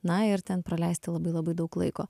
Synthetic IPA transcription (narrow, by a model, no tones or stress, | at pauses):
nɐɪɾt̪ʲɛnpɾɐlʲɛɪsʲt̪ʲɪlˠɐbɐɪlˠɐbɐɪd̪ɐʊklˠɐ̰ɪkoː